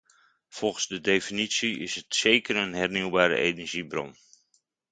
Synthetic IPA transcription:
fɔlˠχənzdədejfinitsiɪsɦətsejkərənɦɛɹniwbaːɾə̰ʔejnɛɹʒibrɔ̰n

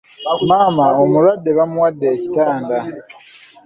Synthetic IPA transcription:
maːmaomulwadːe̞βamuwadːe̞ːcitaːnda

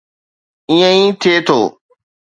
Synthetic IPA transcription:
ɪ̃jẽĩːt̪ʰet̪ʰo̰ː

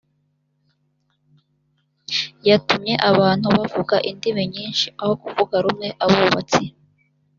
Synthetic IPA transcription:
jatumɲe̞ʔaβaːn̥huβavuɡaʔindimeɲiːnʃiaho̞kuvuɡaɾumŋe̞ʔaβuβat͡si

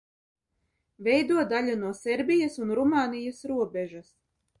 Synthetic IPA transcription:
vɛjd̪uɔd̪aʎʲunuɔsɛɾbʲijasunɾumaːnijasɾuɔbʲɛʒas

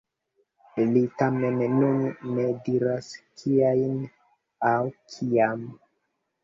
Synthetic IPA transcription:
litamenːunːe̞diɾaskʰiajn | awkʰiam

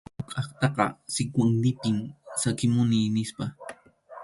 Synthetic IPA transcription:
ʊkʼɑχt̪ɑqɑ̰sɪkʷaŋlɪpɪmsakɪmʊnɪːnɪspa

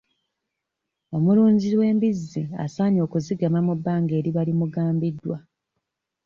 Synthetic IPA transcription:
o̞muluːɲɟiwe̞ːmbizːia̰saːɲo̞ːkuziɡamamubːaːŋɡe̞ːɾiβalimuɡaːmbidːwa

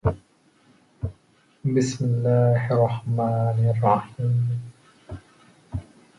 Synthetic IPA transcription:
bɪsmɪlːaːhɑrˤːɑħmaːnɑrˤːɑħiːm

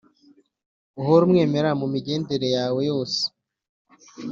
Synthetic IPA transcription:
uɦoɾumŋe̞ːme̞ɾamumiɟe̞ːndeɾe̞jaːwe̞jo̞ːse̥

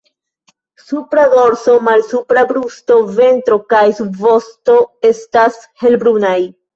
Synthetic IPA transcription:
supɾaɡo̞ɾso̞malsupɾabɾusto̞ve̞ntɾo̞kajsubvo̞sto̞e̞stashe̞lbɾunaj

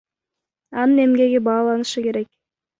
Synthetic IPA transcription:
ɑnɯne̞mɡe̞ɡebɑːlˠɑnɯʃɯke̞ɾe̞k̚

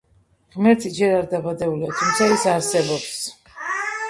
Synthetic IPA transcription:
ʁmɛɾt̪ʰid͡ʒɛɾaɾd̪abad̪ɛbuliat̪ʰumt̪sʰaisaɾsɛbɔps

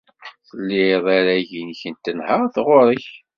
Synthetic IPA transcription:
θəlːiðˤaɾæʝinçənt̪ːənhəʁˤθʁoɾˤəç

